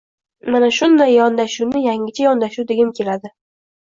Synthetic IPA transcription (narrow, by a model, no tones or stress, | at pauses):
manaʃʊnd̪ajːɒnd̪aʃunɪjaŋʲɪt͡ʃʰajɒnd̪aʃuwd̪eɡʲɪmkʲʰe̞lad̪ɪ